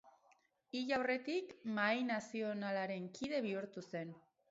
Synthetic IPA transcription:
iʎawre̞t̪ikmajnasio̞nalaɾe̞ŋkið̞e̞β̞iuɾt̪use̞n

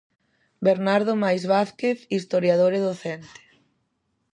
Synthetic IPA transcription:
beɾnaɾðomajzβaθkeθist̪oɾjað̞oɾeðoθɛnt̪e̥

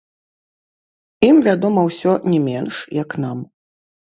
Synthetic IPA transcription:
imvʲad̪ɔmɐwsʲɔnʲɛmʲɛnʂjɐknam

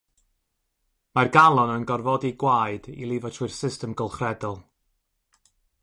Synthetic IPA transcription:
marɡalˠɔnənɡɔrvɔdiɡwajdḭlˠɪvɔtʰɨrsɪstəmɡəlˠχrɛdɔlˠ

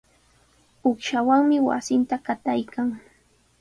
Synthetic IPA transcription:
ʊkʃawaŋmɪwa̰sɪnt̪akat̪ajkaŋ

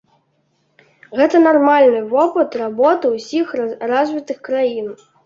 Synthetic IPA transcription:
ɣɛt̪ɐnarmalʲnɨvɔpɨt̪rabɔt̪ɨwsʲixrazʲvʲit̪ɨxkɾajin

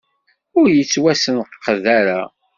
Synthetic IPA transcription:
ʊɾjət͡sːwæsənqqːəðæɾa

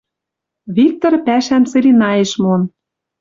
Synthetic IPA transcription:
βik̚t̪orpæʃæmt͡sĕlʲinɑjeʃmon

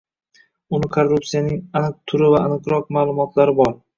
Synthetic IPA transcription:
ʊnɪkʰorːupsijanɪŋanɨq̚t̪ʰʊɾɪvaːnɨqɾɒq̚maːlˠʊmɒt̪laɾɪbɒɾ

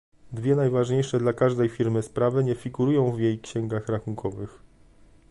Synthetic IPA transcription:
d̪vʲjɛnajvaʐɲejʂɛd̪lakaʐd̪ɛjfʲiɾmɘspɾavɘɲɛfʲiɡuɾujɔ̃w̃vjejkɕɛŋɡaxɾaxuŋkʰɔvɘx

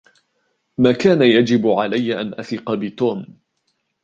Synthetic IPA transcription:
maːkaːnajad͡ʒɪbʕalajːaʔanʔaθɪqbɪt̪oːm

